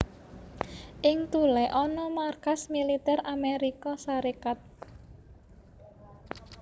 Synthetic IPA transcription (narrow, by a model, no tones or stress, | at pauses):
ʔɪŋt̪ulɛʔɔnɔmarkasmilit̪ɛɾameɾikɔsaɾekat̪̚